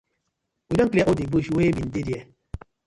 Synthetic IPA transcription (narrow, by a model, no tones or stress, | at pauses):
widɔŋkliaʔodibuʃwebin̩dediɛ